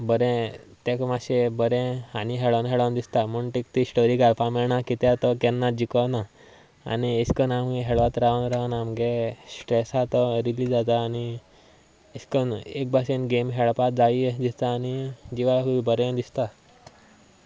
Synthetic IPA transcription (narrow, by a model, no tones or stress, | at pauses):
bəɾɛ̃t̪ɛ̃kmaɕebəɾɛ̃aniɦɛɭanɦɛɭand̪ist̪amuɳʈ̪ik̚t̪isʈɔɾiɡaɾpamɛɭɳakit̪ɛt̪ɔkɛnːad͡ʑikəna | a̰nieskənamɡeɦɛɭʋat̪ɾaʋənɾaənamɡesʈɾesat̪ɔɾilid͡zat̪aːni | eskənek̚bʱasẽnɡemɦɛɭpad͡zaid̪ist̪aːnid͡ʑiʋaɦuibəɾɛ̃d̪ist̪a